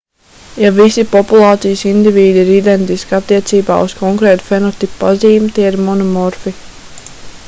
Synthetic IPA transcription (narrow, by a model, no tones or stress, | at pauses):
javisipɔpulˠɑːt̪sijsind̪iviːd̪iːɾid̪ɛnt̪iskat̪ːiɛt̪siːba̰ːuskɔŋkɾɛːt̪u̥fɛnɔt̪ipːaziːmt̪iɛiɾmɔnɔmɔɾfi